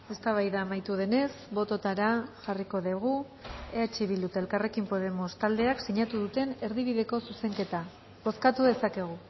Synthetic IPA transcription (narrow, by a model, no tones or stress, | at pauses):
e̞st̪aβ̞ajðaːmajt̪uð̞e̞ne̞sbo̞t̪o̞t̪aɾaʝariko̞ðeɣ̞u | eat͡ʃeβild̪ut̪eelkare̞kimpo̞ðe̞mo̞st̪ald̪e̞aksiɲat̪uðut̪e̞ne̞ɾðiβ̞iðe̞ko̞suse̞ŋke̞t̪a | βo̞skat̪uðe̞sake̞ɣ̞u